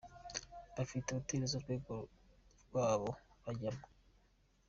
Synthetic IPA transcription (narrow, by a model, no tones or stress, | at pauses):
βafiteβuteɾezuɾɡweːɡoɾɡwaːβoβaɟamo